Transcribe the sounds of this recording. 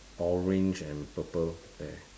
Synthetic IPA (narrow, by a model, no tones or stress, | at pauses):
ɔɹẽnd͡ʒɛ̃npəpəl | dɛ